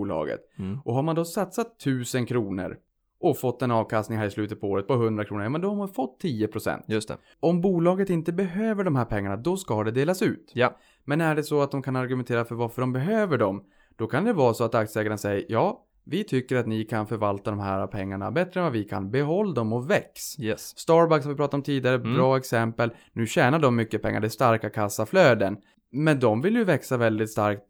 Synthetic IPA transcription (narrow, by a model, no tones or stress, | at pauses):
uːlɑ̰ːɡə̰t̪ʔɔɦaɾmand̪ɔsat̪sat̪ʰːʉ̟ːsənkʰɾuːnə̰ɾ | ʔɔfɔt̪ːɛnɑːvkʰast̪nɪŋɦæːɾɪslʉːt̪ət̪̚pʰɔoːɾət̪̚pʰɔɦɵnd̪ɾakʰɾuːnəjɑːmɛnd̪ɔhaɾmanfɔt̪ʰːiːəpʰɾʊsɛ̰nt̪jt̪ | ɔmbuːlɑːɡət̪ɪnt̪əbɛɦøːvəɖɔmɦæːɾpʰɛŋːaɳad̪ɔskad̪ɛd̪eːlasʉ̟ːt̪ | mɛnæɖɛsɔat̪̚d̪ɔmkʰanaɾɡɵmɛnt̪ʰeːɾafœɾvaɾfœɖɔmbɛɦøːvəɖɔm | d̪̥ɔkʰand̪ɛvɑːɾsɔat̪ak̚t̪sɛːɡaɾanasɛjːəɾjɑː | vɪt̪ʰʏkːəɾat̪nɪkʰanfœɾvalt̪ad̪ɔmɦæːɾapʰɛŋːaɳa̰bɛt̪ɾəɛnvavɪkʰa̰nbɛɦɔlːad̪ɔmɔvɛksjɛst̪ɑːɾbakshamvɪpɾɑːt̪aɾɔmt̪ʰiːd̪ɪɡaɾəbɾɑːɛksɛmpəlnʉ̟ːɕɛːnaɖɔmːʏkːəpʰɛ̰ŋːa̰ɖɛæst̪aɾkakʰasːafløːd̪ən | mɛnd̪ɔmvɪljɵvɛksavɛld̪ɪt̪st̪aɾkt̪̚